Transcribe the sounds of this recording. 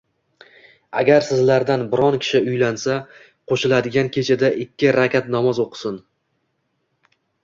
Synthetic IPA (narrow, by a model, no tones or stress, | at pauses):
aɡʲaɾsɪzlaɾd̪anbɪɾɒnkʲʰɪ̥ʃɪʊjlansa | qʰoʃɪlad̪ɪɡʲankʲʰe̞t͡ʃʰɪd̪aʔɪkʲʰːɪɾakʲat̪nɒmɒzoqʰɨ̥sɪn